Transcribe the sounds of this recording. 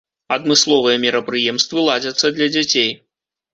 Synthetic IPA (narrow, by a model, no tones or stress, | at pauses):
ɐd̪mɨslˠɔvɨjɐmʲiɾɐpɾɨjɛmst̪vɨlˠad͡zʲɐt̪sːɐd̪lʲɐd͡zʲat͡sʲej